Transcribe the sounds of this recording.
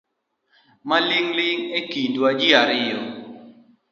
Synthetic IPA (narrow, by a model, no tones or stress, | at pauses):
maliŋliŋekindwad͡ʒiaɾɪjɔ